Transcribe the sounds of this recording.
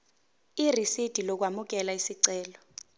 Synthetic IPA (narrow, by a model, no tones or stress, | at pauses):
irisid̥ʱilɔk̬wamuk̬ɛlaisiǀɛːlɔ